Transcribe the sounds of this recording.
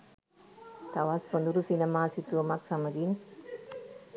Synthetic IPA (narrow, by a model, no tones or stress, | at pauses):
t̪awasond̪uɾusinemaːsit̪uomak̚samɐd̪in